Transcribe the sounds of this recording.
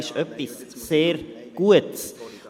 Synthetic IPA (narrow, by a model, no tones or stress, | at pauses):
ʃœpisːeːrɡ̥uəts